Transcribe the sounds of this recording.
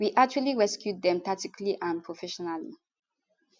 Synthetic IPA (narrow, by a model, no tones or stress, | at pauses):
wiʔak̚t͡ʃualiɹɛskjut̚dɛ̃mt̪atikliʔãnpʰɹofɛʃɔnali